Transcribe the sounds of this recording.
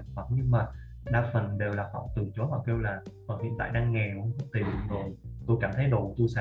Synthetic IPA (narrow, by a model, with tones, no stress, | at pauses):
ŋfa˨˩t̚ɲɨ˧ŋmaː˨˩ | ɗaː˧fə˨˩nɗe˨˩wlaː˨˩hɔ̰˧˩wt̪ɨ˨˩t͡ɕo˨˦vaː˨˩ke˧wlaː˨˩kɔ˨˩nhḭ˧˨nt̪a̰ː˧˨jɗaː˧ŋːɛ˨˩hu˧ŋ͡mxə˦˥t̪i˨˩˨zo˨˩jt̪o˧jkaː˧˩mt̪ʰə˨˦jɗo̰˧˩t̪o˧jsɛ̰˧